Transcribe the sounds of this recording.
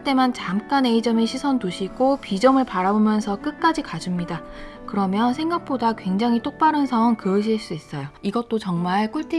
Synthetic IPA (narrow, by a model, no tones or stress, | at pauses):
t͈e̞mant͡ɕamk͈aneid͡ʑʌmeɕʰisʰʌntuɕʰiɡopid͡ʑʌmɯɭpaɾabomjʌnsʰʌk͈ɯk͈ad͡ʑikad͡ʑumɲida | kɯɾʌmjʌnsʰe̞ŋɡak̚p͈odakwe̞ŋd͡ʑaŋɦit͈ok̚p͈aɾɯnsʰʌŋkɯɯɕ̬ʰiɭs͈uis͈ʌjoiɡʌt̚t͈ot͡ɕʌŋmaɭk͈ʰuɭtʰi